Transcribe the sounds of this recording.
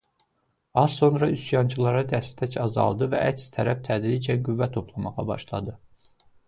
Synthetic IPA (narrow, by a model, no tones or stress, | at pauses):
ɑz̥so̞nɾɑysjɑnt͡ʃʰɯlˠɑɾɑd̪æst̪ʰæcʰɑzɑ̰lˠd̪ɯvæ̰ʔæcst̪ʰæɾæft̪ʰæd̪ɾid͡ʒænɡuvːæt̪ʰo̞pʰlˠɑmɑʁɑ̰bɑ̰ʃlˠɑ̰d̪ɯ